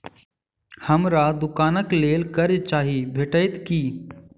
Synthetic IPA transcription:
həmɾad̪ʊkaːnəkleːlkəɾit͡ʃaːɦibʱeːʈəɪt̪kiː

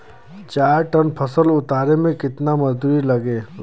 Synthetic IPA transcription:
t͡ʃaːɾʈənpʰɐsəlʊt̪aːɾemẽkɪt̪namɐzd̪uːɾilɐɡeː

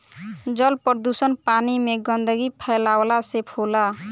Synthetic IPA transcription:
d͡ʒʌlpəɾd̪usənpanimeɡʌnd̪əɡipʰəlawlasepʰola

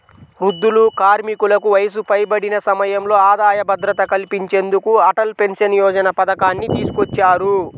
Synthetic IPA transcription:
ɾud̪ːulukaːɾmikulɐkuʋɐjɐs̬upɐjbɐɽinɐsɐmɐjɐmlo̞ːaːd̪aːjɐbɐd̪ɾɐt̪ɐkɐlipiɲt͡ʃe̞ːnd̪ukuɐʈɐlpe̞nsɐnjɔːd͡ʒɐnɐpɐd̪ɐkaːnːit̪iːsu̥kot͡ʃːaːɾu

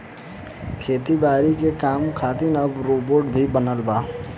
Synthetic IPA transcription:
kʰeːt̪ibaːɾikekaːmkʰaːt̪ɪnɐbɾoːboːʈbʱibənəlbaː

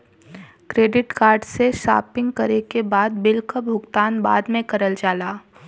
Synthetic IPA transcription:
kɾeːɖɪʈkaːɾɖseʃa̰ːpɪ̃ŋɡ̚kɐɾekebaːd̪bɪlkəbʱʊɡt̪aːnba̰ːd̪mẽkɐɾəld͡ʒaːlaː

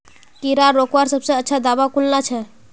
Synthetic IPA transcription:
kiɾaɾːokʋaɾsəbsə̃ətːʃʰad̪abakulnat͡ʃʰɛ

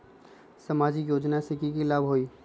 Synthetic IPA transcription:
sɐmaːd͡ʒɪkjoːd͡ʒnasɪkikilaːbɦoːiː

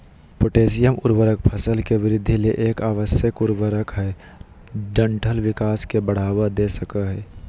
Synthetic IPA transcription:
pʊʈeːs̬ijəmʊɾwəɾək̚pʰəsəlkeʋɪɾɪd̪ʱːileʔeːkaːʋəsjəkʊɾwəɾəkɦɛ | ɖə̃ɳʈʰəlʋɪkaːskebəɽ̤aːwad̪esəkəɦɛː

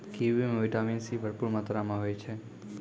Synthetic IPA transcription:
kiʋimeʋɪʈaminsibʱəɾpuːɾmaːt̪ɾamãɦojt͡ʃʰe

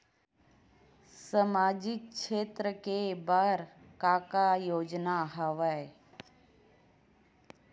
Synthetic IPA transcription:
səmaːd͡ʒɪk̚ʃeːt̪ɾəkebaːɾ | kaːkajoːd͡ʒnaɦəʋae

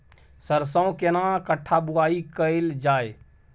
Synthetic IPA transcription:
səɾsə̃õkenãːkəʈʰːabuaːikəɪld͡ʒaːe

